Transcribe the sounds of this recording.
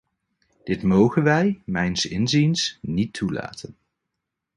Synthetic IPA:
d̥ɪtmowχənʋɛjmɛjnsɪnzinsnitʰːula̰ːtən

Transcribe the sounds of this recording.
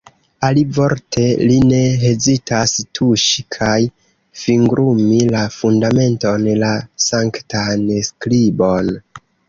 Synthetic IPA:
alivo̞ɾtʰe̞line̞ɦe̞zitʰastʰuʃi̥kʰaj | fiŋɡɾumilafundame̞nto̞nlasaŋktansklibo̞n

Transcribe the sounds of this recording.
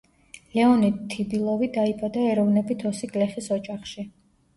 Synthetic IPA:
lɛɔnit̪ʰːibilˠɔvid̪aibad̪aɛɾɔvnɛbit̪ʰɔsiɡʼlɛχisɔt͡ʃʼaχʃi

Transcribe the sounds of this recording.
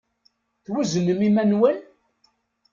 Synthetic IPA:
θwuzənəmimænwən

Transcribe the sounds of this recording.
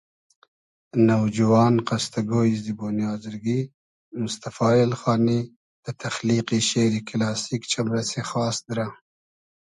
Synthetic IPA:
nawd͡ʒuwɑːnqast̪aɡoizd̪iboːnjɑːzɪɾɡi | mʊst̪afɑːɪlxɑːni | d̪̥ət̪axliqiʃeɾikɪlɑːsikt͡ʃamɾasexɑːsd̪ɾa

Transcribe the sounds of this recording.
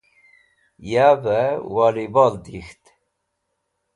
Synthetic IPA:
jabɛwɑlibɑld̪ixt̪

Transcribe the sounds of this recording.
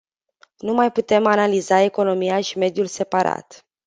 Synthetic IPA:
numajput̪e̞manalizae̞ko̞no̞mijaʃime̞d̪julse̞paɾa̰t̪

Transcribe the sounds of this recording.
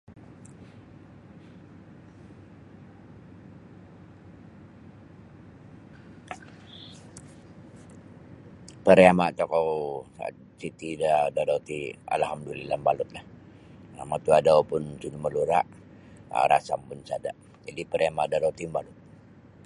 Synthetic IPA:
pəɾeamaʔt̪ɔkɔwsa̰t̪ | sit̪idadadaut̪ia̰lhamdulilambalʊt̪̚lah | amat̪uadapʊnt͡ʃunuməluɾaʔ | ɾa̰sampʊnsada̰ | d͡ʒadipəɾeamaʔdaɾaut̪imbalʊt̪̚

